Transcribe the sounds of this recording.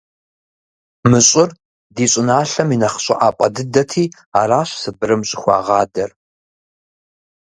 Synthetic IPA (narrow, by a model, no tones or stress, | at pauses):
mɨɕʼɪr | diːɕʼɪnaːɬɐminɐχɕʼɪʔaːpʷʼɐ̰dɨdɐtʰiː | aːraːɕsɨbɨɾɨmɕʼɪxʷɑ̰ːʁɑːdɐr